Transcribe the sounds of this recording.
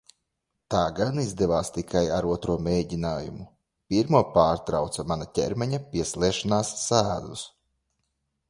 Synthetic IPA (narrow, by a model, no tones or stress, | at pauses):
t̪aːɡanizd̪ɛvaːst̪ikʰajaɾuɔt̪ɾuɔmeːɟinaːjumu | pʲiɾmuɔpaːɾt̪ɾawt̪samanat̪ʲɛ̰ɾmɛɲapʲiɛslˠɛɛʃanaːsːæːd̪us